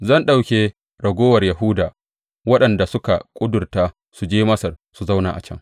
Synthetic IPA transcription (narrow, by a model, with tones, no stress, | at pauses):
zɐ˦nɗa˦˨wkʲeː˨ | ɽɐ˨ɡʷoː˦wɐ˨rjɐ˨ɦʊ˦daː˨ | wɐ˦ɗɐ˨nda˨sʊ˦ka˨kʷʼʊ˦dʊ˨rtaː˦ | su˨d͡ʒeː˦mɐ˦sɐ˨rsu˨za˦wna̰ː˨ʔa̰˨t͡ʃɐ̰˦ŋ